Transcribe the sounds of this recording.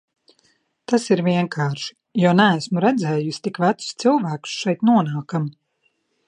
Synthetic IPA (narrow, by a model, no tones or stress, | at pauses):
t̪asiɾvʲiɛŋkʰaːɾʃi̥ | juɔnææsmuɾɛd̪zɛːjusʲi̥t̪ikʋæt̪su̥st̪silˠvæːku̥sʃɛjt̪nuɔnaːkam